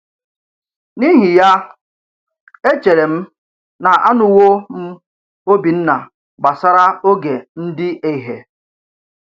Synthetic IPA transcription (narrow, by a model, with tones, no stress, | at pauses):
ni˦ɦi˨ja˦ | e˦t͡ʃe˨ɾe˨m̩˦ | na˨ʔa˦nʊ˨wo˦m̩˦ | o˦bi˨n̩˦na̰˨ | ɡ͡ba˨sa˦ɾa˦o˦ɡe˨n̩˦dɪ˦ʔe˨ɦe˨